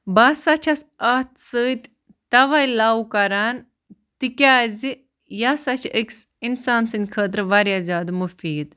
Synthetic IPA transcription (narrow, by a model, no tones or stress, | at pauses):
bɐːsɐt͡ʃʰɐsɐht̪ʰsəːt̪ʲ | t̪ɐʋɐjlaːwukɐɾaːn | t̪ikʲaːzi | jasɐt͡ʃʰəks | insaːnsɨnd̪ʲkʰəːt̪̬ɾʋɐɾjazʲjaːd̪mufiːd̪